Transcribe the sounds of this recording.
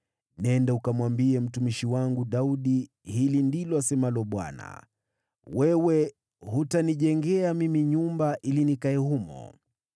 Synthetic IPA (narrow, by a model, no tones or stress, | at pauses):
nɛndaukamwambiɛm̩tumiʃiwaŋɡuɗauɗi | hilindilɔasɛmalɔɓwa̰na̰ | wɛwɛ | hutaniʄɛŋɡɛamimiɲumbaʔilinikaɛhumɔ̰